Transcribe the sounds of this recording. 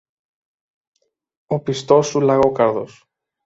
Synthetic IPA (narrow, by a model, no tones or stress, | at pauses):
opist̪osulaɣokaɾðo̰s